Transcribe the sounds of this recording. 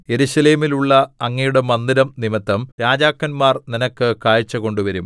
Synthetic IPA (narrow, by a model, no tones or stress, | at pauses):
je̞ɾuɕɐle̞ːmiluɭːɐɐŋːɐjuɽe̞mɐnd̪iɾɐmnimɐt̪ːɐmɾaːd͡ʑaːkːɐnmaːrninɐkːɨkaːjit͡ɕːɐko̞ɳɖuʋɐɾum